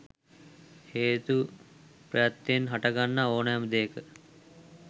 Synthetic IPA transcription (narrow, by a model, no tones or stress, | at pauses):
heːt̪u | pɾəjat̪ːenɦaʈaɡanːaoːnəjɛməd̪eːkə